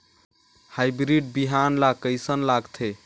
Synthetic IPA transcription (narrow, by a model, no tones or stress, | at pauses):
hajbɾiɖ̚biɦanlakəjsənlaɡt̪ʰe